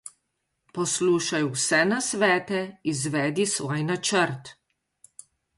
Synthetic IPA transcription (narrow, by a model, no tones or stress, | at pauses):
pɔsluːʃajwsɛnasʋɛːt̪ɛizʋɛːd̪isʋɔːjnat͡ʃəɾt̪